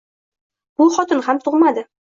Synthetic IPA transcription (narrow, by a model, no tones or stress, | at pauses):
b̥ʊχɒt̪ɪnhamt̪ʰʊʁmad̪ɪ